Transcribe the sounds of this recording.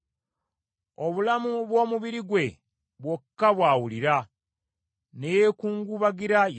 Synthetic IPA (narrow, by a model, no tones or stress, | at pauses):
o̞βulamuβwo̞ːmuβiɾiɡwe̞ | βwokːaβwaːwuliɾa | nejekuːŋɡuβaɡiɾaj